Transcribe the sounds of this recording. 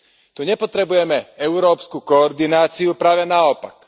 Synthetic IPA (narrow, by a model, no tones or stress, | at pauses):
t̪uɲɛpɔt̪ɾɛbujɛmɛɛʊɾɔːpskukɔːɾd̪inaːt͡siupɾaːʋɛnaɔpa̰k